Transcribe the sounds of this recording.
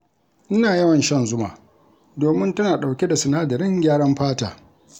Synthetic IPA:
ʔɪ˦naː˨jɐ˦wɐ˨nʃɐ˦nzʊ˦ma̰ː˨ | doː˨mɪ˦ntɐ˦naː˨ɗa˨wkʲe˦da˨sʊ˨naː˦dɐ˨ɾɪ˦ŋɡʲaː˦ɽɐ˦mɸaː˦taː˨

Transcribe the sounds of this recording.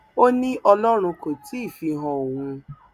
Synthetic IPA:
o˦nĩ˦ʔɔ˧lɔ˦ɾ̃ũ˧ko˨ti˨˦i˦˨fi˧ɦɔ̃˧o˨wũ˧

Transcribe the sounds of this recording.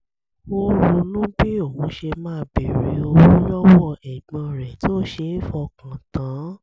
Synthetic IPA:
wo˦ɾo˧lũ˦bi˦o˦˨wũ˨˦ʃe˧mãː˦˧bi˨ɾi˨˧˦o˧wũ˨˦lɔ˦wɔ˧ʔɛ˨ɡ͡bã˧ɾɛ˨to˦ʃe˧˦i˦fɔ˧kã˨tã˨˦

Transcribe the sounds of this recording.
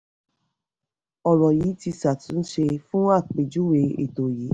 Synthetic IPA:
ɔ˨ɾɔ˨ji˨˦ti˧sa˨tũ˨˦ʃe˧fũ˦a˦˨k͡pe˨d͡ʒu˦we˧˦ḛ˦˨to˨ji˨˦

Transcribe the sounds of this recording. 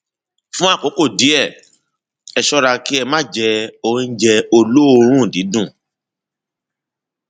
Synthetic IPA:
fũ˦a˦˨ko˨˦ko˦˨di˨˦ɛ˦˨ | ɛ˧ʃɔ˦ɾa˧ki˦ɛ˧mã˦˨d͡ʒɛ˧o˧ɾ̃ĩ˧˦d͡ʒɛ˧o˧lo˦˧ɾ̃ũ˦˨di˨˦dũ˦˨

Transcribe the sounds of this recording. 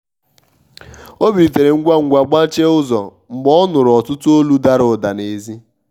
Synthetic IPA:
o˦bi˨t̬e˨ɾe˨ŋ̩˦ɡʷa˦ŋ̩˦ɡʷa˨ɡ͡ba˦t͡ʃe˦ʊ˦zɔ̰˨ | ŋ͡m̩˨ɡ͡bɔ˦nʊ˨ɾɔ˨tʊ˦tʊ˦o˦lu˦da˦ɾʊ˨da˨ne˨zi˦

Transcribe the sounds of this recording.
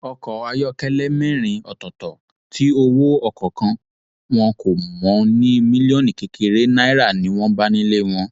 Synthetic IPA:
ɔ˧kɔ˨a˧jɔ˦kɛ˦lɛ˦mɛ̃˦˨ɾ̃ĩ˧ɔ˨tɔ˨tɔ˨ | tʰi˦o˧wo˦ɔ˧˨kɔ˨kã˧ | w̃ɔ̃˧ko˨mɔ̃˨˦nĩ˦mĩ˦li˦ɔ̃˦˨nĩ˨ke˨kʰe˧ɾe˦na˦i˦ɾa˦˨nĩ˨˦w̃ɔ̃˦ba˦nĩ˦le˦w̃ɔ̃˧

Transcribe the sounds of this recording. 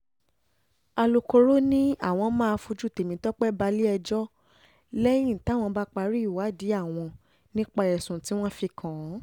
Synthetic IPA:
a˧lo˧ko˧ɾo˦nĩ˦a˦˨w̃ɔ̃˧mãː˦a˧fu˧d͡ʒu˦˨te˨mĩ˨˦tɔ˦k͡pɛ˦ba˧li˦ɛ˧d͡ʒɔ˦ | lɛ˦j̃ĩ˦˨ta˨˦˨w̃ɔ̃˧ba˦k͡pa˧ɾi˦˨wa˨˦˨di˨˦a˦˨w̃ɔ̃˧ | nĩ˦k͡pa˧ɛ˨sũ˨ti˦w̃ɔ̃˦fi˧kʰã˨˦

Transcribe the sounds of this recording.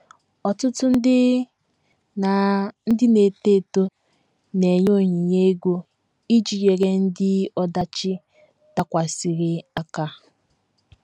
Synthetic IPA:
ɔ˨tʊ˦tʊ˦n̩˦dɪ˦ | na˨n̩˦dɪ˦ne˨te˦˨to˦ | ne˨ɲo˦˨ɲi˨ɲe˦ɡʷo˦ | i˦d͡ʒi˨je˨ɾe˦n̩˦dɪ˦ɔ˦da˦t͡ʃɪ˦ | ta˦kʷa˨si˨ɾɪ˨a˦ka˦

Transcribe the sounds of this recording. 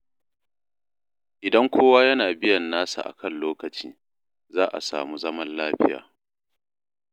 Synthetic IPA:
ʔɪ˨dɐ˦ŋkʷoː˦waː˦jɐ˦naː˨bɪ˦jɐ˨nːaː˦sa̰˨ʔa̰˨kʰɐ˦˨nloː˦kɐ˨t͡ʃḭː˦ | zaː˦ʔa̰˨sa̰ː˨muː˦zɐ˦mɐ˦nlaː˦ɸɪ˦ja̰ː˨

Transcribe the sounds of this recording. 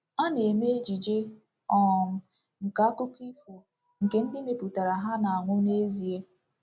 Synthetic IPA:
a˦ne˨me˦e˦d͡ʒi˨d͡ʒe˦ | ɔ˦˨m̩˦ | ŋ̩˨ka˨a˦kʊ˦ki˦fu˨ | ŋ̩˨ke˨n̩˦dɪ˦me˨pu˨ta˨ɾa˨ɦa˦na˨a˨ŋʷʊ˦ne˦zi˨e˦

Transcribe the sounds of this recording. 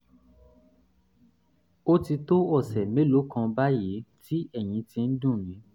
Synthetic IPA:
o˦ti˧to˦ɔ˦˨sɛ˨me˨˦lo˨˦kã˧ba˦je˨˦ti˦ɛ˦˨j̃ĩ˨˧˦tĩ˧n̩˦dũ˦˨jĩ˨˦

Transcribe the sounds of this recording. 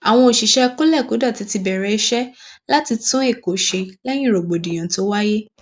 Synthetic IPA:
a˨w̃ɔ̃˧o˨ʃi˨ʃɛ˦ko˦lɛ˦˨ko˨˦da˦˨ti˨˦ti˧bɛ˨ɾɛ˨˧i˧ʃɛ˦la˦ti˧tũ˦e˦˨ko˨ʃe˧lɛ˦j̃ĩ˦˨ɾo˨ɡ͡bo˨dĩ˨jã˨˦to˦wa˦je˦

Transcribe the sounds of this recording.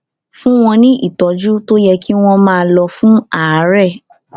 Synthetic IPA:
fũ˦w̃ɔ̃˧nĩ˦ʔi˦˨tɔ˨˦d͡ʒu˦to˦jɛ˧ki˦w̃ɔ̃˧mãː˦˧lɔ˧fũ˦a˦˨˦ɾɛ˦˨

